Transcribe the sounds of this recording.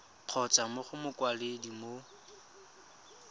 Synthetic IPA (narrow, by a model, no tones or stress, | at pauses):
q͡χʰɔt͡sʼamʊχʊmʊkʼwaledimo